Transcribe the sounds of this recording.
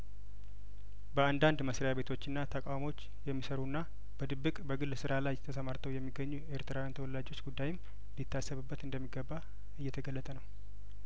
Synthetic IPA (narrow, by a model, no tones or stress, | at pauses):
bəand̪and̪məsɾəjaβe̞t̪ʰo̞t͡ʃːɨnːat̪ʰəkʼawmo̞t͡ʃː | jɛmːisəɾunːa | b̥əd̪ɨbːɨkʼbəɡɨlːsɨɾalajt̪ʰəsəmaɾt̪ʰəwjɛmːiɡəɲːueɾt̪ʰɾawjant̪ʰəwɔlːad͡ʒo̞t͡ʃːɡud̪ːajɪm | nlit̪ʰːasːəβɨbːət̪ɨnd̪əmːiɡəbːa | ɨjːɛt̪ʰəɡəlːət̪ʼənəw